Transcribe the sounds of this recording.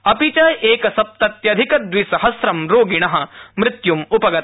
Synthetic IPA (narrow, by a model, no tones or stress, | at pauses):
ɐpit͡ʃaːjeːkɐsɐp̚t̪ɐt̪jɐd̪ʱikɐd̪ʋisɐɦɐsɾɐmɾoːɡiɳɐɦɐ̆mɾɪt̪jumupɐɡɐt̪